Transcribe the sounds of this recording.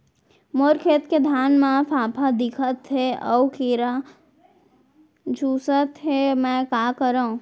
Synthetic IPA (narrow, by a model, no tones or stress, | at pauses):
moːɾkʰeːt̪ked̪ʱjaːnmãfʰaːpʰad̪ɪkʰət̪ɦeɔwkiɾa | d͡ʒʱuːsət̪ɦemɛ̃kaːkəɾaũ